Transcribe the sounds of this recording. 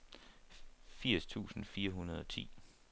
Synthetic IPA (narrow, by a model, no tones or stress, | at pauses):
fiɐ̰st͡sʰṵːsn̩fiːɐɦunɐð̞ˠɒ̽t͡sʰḭː